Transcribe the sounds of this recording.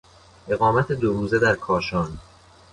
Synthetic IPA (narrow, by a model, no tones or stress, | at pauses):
ʔe̞ɣɒːmæt̪ʰe̞d̪oɾuːze̞d̪æɾkʰɒːʃɒːn